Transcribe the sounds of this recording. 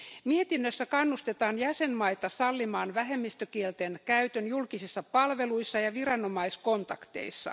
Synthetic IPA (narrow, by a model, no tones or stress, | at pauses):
miet̪inːøsːækɑnːust̪et̪ɑːnjæsenmɑit̪ɑsɑlːimɑːnʋæɦemːist̪økielt̪enkæyt̪ønjulkisisːɑpɑlʋeluisːɑjɑʋirɑno̞mɑisko̞nt̪ɑkt̪ḛisːɑ̰